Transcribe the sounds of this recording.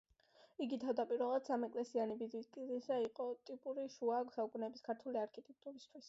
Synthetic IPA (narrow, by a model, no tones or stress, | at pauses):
iɡit̪ʰavd̪apʼiɾvɛlˠad̪̥samɛkʼlɛsianibid̪ikʼiisaiqʼɔt̪ʼipʼuɾiʃuaksaukʼunɛbiskʰaɾt̪ʰuliaɾkʰit̪ʼɛk̚t̪ʼuɾist̪ʰwis